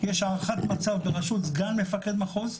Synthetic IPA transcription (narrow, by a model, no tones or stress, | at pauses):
jeʃaʁχat̪mat͡savbeʁaʃut̪zɡanmefake̞d̪maχoz